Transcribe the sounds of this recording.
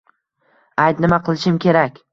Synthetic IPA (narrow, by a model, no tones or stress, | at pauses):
ajt̪nɪmaqʰɨlˠɪʃɪmkʲe̞ɾakʲ